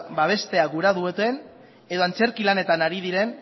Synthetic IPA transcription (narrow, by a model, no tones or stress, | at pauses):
baβ̞e̞st̪e̞aɡuɾaðuot̪en | e̞ðo̞ant͡se̞ɾkilane̞t̪anaɾiðiɾe̞n